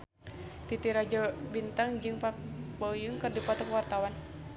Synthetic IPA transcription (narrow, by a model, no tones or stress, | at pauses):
t̪it̪iɾad͡ʒɔbint̪aŋd͡ʒɨŋpabɔjuŋkɨrdipɔt̪ɔkwart̪awan